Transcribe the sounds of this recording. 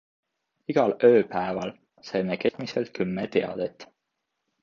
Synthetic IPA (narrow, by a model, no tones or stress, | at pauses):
iɡ̥ɑlø̞ːpæevɑl | sɑjmeke̞miselt̪̚kʰymːet̪eɑ̰d̪̥et̪ːˑ